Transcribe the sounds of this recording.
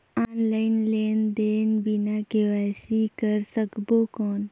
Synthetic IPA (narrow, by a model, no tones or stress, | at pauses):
anlainlend̪enbinakeʋasikəɾsəkbokɔn